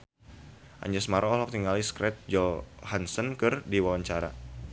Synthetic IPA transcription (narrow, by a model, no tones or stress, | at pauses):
ʔa̰ɲd͡ʒəsmaɾʔɔɔlɔk̚t̪iŋaliskɾɛt̪̚d͡ʒɔhansɔnkɨrdiwawaɲt͡ʃaɾa̰